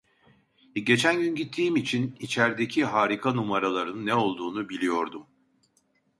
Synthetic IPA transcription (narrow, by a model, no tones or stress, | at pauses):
ɟe̞t͡ʃʰænɟynɟit̪ʰːiːmit͡ʃʰinit͡ʃʰæɾd̪e̞cʰiɦaːɾikʰanumaɾalˠaɾɯnnːɛo̞lˠd̪uːnubilʲijo̞ɾd̪um